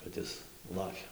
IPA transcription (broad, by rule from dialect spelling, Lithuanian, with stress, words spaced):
kɐt ˈɪs ˈlˠɑːkʲɛ